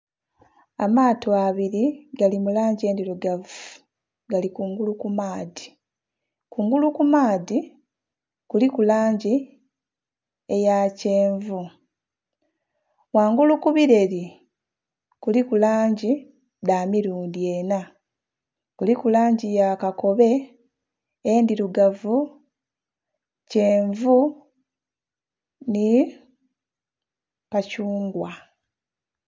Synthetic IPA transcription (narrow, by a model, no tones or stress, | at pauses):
amaːtoaβiɾiɡalimulaːɲɟe̞ːndiɾoɡavu | ɡalikuːŋɡulukumaːði | kuːŋɡulukumaːdi | kulikulaːɲɟi | e̞jace̞ːɱvu | waːŋɡulukuβiɾe̞ɾi | kulikulaːɲɟi | damiɾuːndie̞na | kulikulaːɲɟijakako̞βe̞ | ndiɾuɡavu | ce̞ːɱvu | ni | kacuːŋɡwa